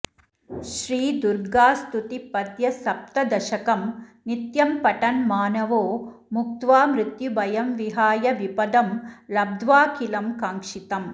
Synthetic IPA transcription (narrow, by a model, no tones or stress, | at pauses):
ʃɾiːd̪uɾɡaːst̪ut̪ipɐt̪jɐsɐp̚t̪ɐd̪ɐʃɐkɐmnit̪jɐmpɐʈɐnmaːnɐʋoː | muk̚t̪ʋaːmɾɪt̪jubɐjɐmʋiɦaːjɐʋipɐd̪ɐmlɐb̚d̪ʋaːkilɐmkaːŋkʂit̪ɐm